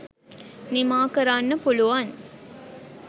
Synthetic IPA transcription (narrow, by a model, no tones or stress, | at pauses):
nimaːkɐɾaːnːɐpuluʋan